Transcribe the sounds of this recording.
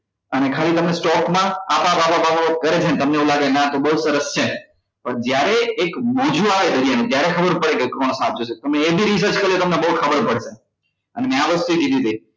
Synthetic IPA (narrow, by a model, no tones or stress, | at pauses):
ənekʰalit̪əmnesʈɔkmãapabababakəɾet͡ʃʰent̪əmneũlaɡenat̪obəɦusəɾəst͡ʃʰe | pəɳd͡ʒjaɾeːkmɔ̃d͡ʒuaʋed̪od͡ʒienet̪jaɾekʰəbəɾpəɽekekɾoñosat̪̚d͡ʒot͡ʃʰet̪omeebʱiɾis̬əɾt͡ʃkəɾiot̪əmnebəɦut̪kʰəbəɾpəɽʃe | ənemɛ̃aʋəst̪uid̪id̪ʱid̪ʱe